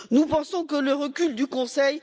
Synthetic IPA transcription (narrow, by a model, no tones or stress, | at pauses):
nupɑ̃sɔ̃kələʁəkʲyld̪ykɔ̃sɛj